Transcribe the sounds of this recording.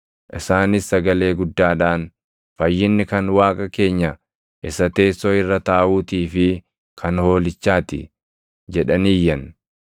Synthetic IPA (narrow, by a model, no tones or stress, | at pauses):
ʔɪsaːnɪsːɐɡɐle̞ːɡʊd̪ːaːᶑaːn | fɐjːɪnːɪkɐnwaːkʼɐke̞ːɲːɐ | ʔɪsɐt̪e̞ːsːoɪrːɐt̪aːʔuːt̪iːfɪ | kʰɐnho̞ːlɪt͡ʃːaːt̪ɪ̰ | d͡ʒɛᶑɐniːjːɐn